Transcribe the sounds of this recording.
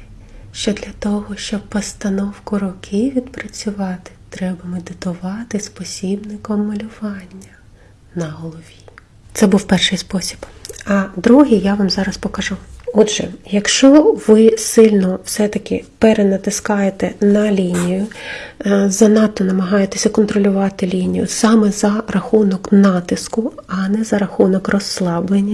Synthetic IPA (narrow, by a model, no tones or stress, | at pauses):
ʃt͡ʃɔd̪lʲɐt̪ɔɦɔʃt͡ʃɔb̚pɔst̪ɐnɔwkʊɾɔkʰɪʋʲid̪pɾɐt͡sʲʊʋɑt̪ɪ̥t̪ɾɛbɐmed̪ɪt̪ʊʋɑt̪ɪspɔsʲibnɪkɔmːɐlʲʊʋɑnʲːɐ | nɐɦɔlˠɔʋʲi | t̪sɛbuwpɛrʃɪjspɔsʲi̥bɐd̪ɾuɦijjaʋɑmzɑɾɐspɔkɐʒuɔdʒɛ̰jɐkʃt͡ʃɔʋɪsɪlʲnɔwsɛt̪ɐkɪpeɾenɐt̪ɪskɑjet̪ɛnɐlʲinʲijʊ | zɐnɑt̪ːɔnɐmɐɦɑjet̪esʲɐkɔnt̪ɾɔlʲʊʋɑt̪ɪlʲinʲijʊ̰sɑmɛzɐrɐxunɔknɑt̪ɪskʊɐnɛzɐɾɐxunɔkrʔɔsːlˠɑblˠenʲːɐ